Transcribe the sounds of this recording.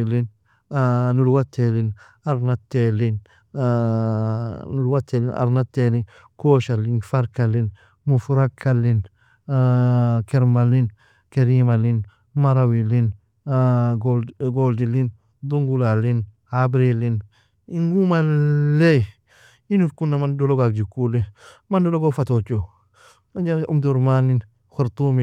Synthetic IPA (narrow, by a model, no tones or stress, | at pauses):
ilin | nulwatʰːelɪn | aɾnatːelin | nulwatelinʔa̰ɾnatelin | koʃalinfaɾkalin | mufuɾakʰalin | kɛɾmalin | keɾimalin | maɾawilin | ɡɡoldilin | duŋɡulalin | habɾilin | iŋɡumale | inuɾkunːamandoloɡak̚d͡ʒikulimandoloɡofatot͡ʃo | ad͡ʒaʔṵmduɾmanin | xoɾtumi